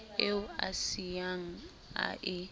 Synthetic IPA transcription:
eʊa̰siaŋ̩ | a̰ʔɪ

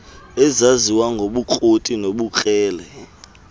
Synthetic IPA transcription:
ɛzaziwaŋɡʱoɓukʼotʼinoɓukʼɛːlɛ

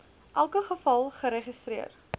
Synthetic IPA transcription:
ʔælˠkəχəfɐlˠχəɾeχist̪ɾiər

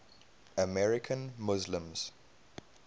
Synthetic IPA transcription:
əmɛɹɪkʰə̃nmʊzlə̃mz̥

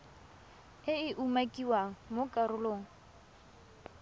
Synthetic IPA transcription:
ɪɪʔumakʼiwaŋ̩mokʼarʊloːŋ̩

